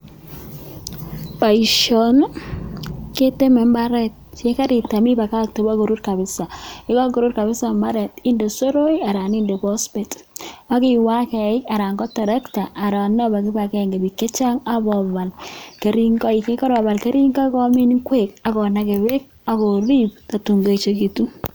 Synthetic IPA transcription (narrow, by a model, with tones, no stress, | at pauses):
pa˨iʃɔ˨n | ke˦te˦mɛ˨mba˦ɾɛ˦t̚t͡ʃe˦ka˦ɾi˨ta˨mi˦ba˨ka˦k̚te˨bɔ˦ko˨ɾu˦ɾka˨bɪ˦sa˨ɪ˦kɔ˦ɡo˨ɾu˦ɾka˨βɪ˦sa˨mba˦ɾɛ˨tɪ˦ndo˨so˦ɾo˦ja˨ɾa˨ni˦nde˨bɔ˦spe˨ta˦kɪ˦wa˦kɛ˨ɪ˦ka˨ɾa˨ŋɡɔ˦tɛ˨ɾɛ˦kta˨ʔːɾa˨nɔ˦ba˨kɪ˦ba˨kɛ˦˨ŋɡe˨bi˨kːe˦t͡ʃa˦ŋa˦bɔ˨βa˨lke˨ɾi˦ŋɡɔ˦i˨ke˦kɔ˦ɾɔ˨βa˨lke˦ɾi˦ŋɡɔ˦kɔ˦mɪ˦nkweka˨kɔ˨na˦ke˨βe˦k̚ | a˦kɔ˨ɾi˦p̚ta˨tu˨ŋɡo˦˨t͡ʃe˦ki˨tu˦